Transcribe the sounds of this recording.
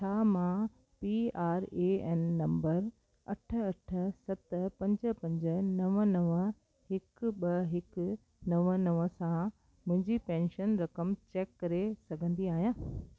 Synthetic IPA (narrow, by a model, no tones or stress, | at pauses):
t͡ɕʰaːmã | piaːɾeːɛːnːɐ̃mbəɾ | ɐʈʰə̆ɐʈʰəsɐt̪əpɐ̃ɲd͡ʑə̆pɐ̃ɲd͡ʑə̆nɐʋənɐʋə | hɪkɓɐɦɪk | nɐʋənɐʋəsã | mʊ̃ɦɪ̃ɲd͡ʑipɛ̃ːnʃənɾɐkəmt͡ɕeːkːɐɾesɐɡʱə̃nd̪iaːɦijãː